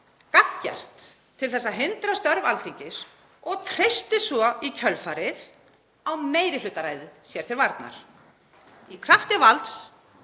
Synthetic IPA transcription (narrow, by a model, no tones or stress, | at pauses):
kakːa̰r̥t̪ʰː | ɪlθɛsːaɦɪnt̪ɾast̪œɾvalθiɲcɪs | ɔɣt̪ʰɾ̥ɪst̪ɪsvɔicʰœlfaːɾɪð | awmeːjɾɪlʏt̪ːaɾaːjðɪsjɛɾ̥t̪ʰɪlvaɾt̪na̰ɾ̥ | ikʰɾaft̪ɪvalt̪s